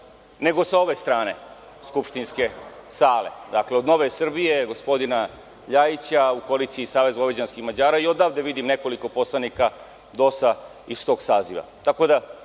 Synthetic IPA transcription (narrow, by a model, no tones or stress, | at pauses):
ne̞ɡo̞sao̞ʋe̞st̪ɾaːne̞ | skupʃt̪inske̞saːle̞̰d̪akleo̞d̪no̞ʋe̞sr̩bije̞ɡospo̞d̪ina | ʎajit͡ɕaukolit̪siːsaːʋe̞zoʋed͡ʑanskixmad͡ʑaːɾaiod̪aʋd̪e̞ʋid̪imne̞ko̞liko̞po̞slˠanika | d̪o̞st̪a | ist̪o̞ːɡsaːziʋa̰t̪ako̞d̪a